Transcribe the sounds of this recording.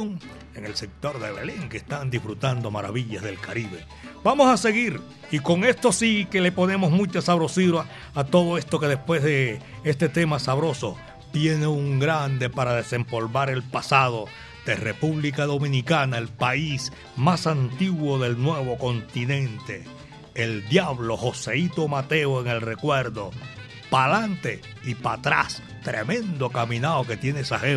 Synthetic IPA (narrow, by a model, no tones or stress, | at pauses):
ŋ | e̞ŋe̞lse̞k̚t̪o̞ɾðeβḛleŋkest̪and̪ifɾut̪and̪o̞maɾa̰βiʎazðe̞lkaɾiβe̞̰ | bamo̞sase̞ɣiɾ | iko̞ŋe̞st̪o̞sike̞le̞po̞ne̞mo̞zmũt͡ʃasaβɾo̞siɾoa | at̪o̞ðo̞e̞st̪o̞ke̞ðe̞spwe̞zðe | est̪e̞t̪e̞masaβɾo̞so̞ | t̪je̞neuŋɡɾand̪e̞paɾaðe̞se̞mpo̞lβaɾe̞lpasaðo̞ | d̪erepuβlikaðo̞mĩnikanae̞lpais | masant̪iɣwo̞ðe̞lnwe̞βo̞ko̞nt̪inẽ̞nt̪e̞ː | ld̪jaβlo̞ho̞seit̪o̞mat̪e̞oe̞ŋe̞lre̞kwe̞ɾðo̞ | palant̪e̞ | ipat̪ɾa̰s | t̪ɾemẽ̞nd̪o̞kamĩnaoke̞t̪je̞nesahe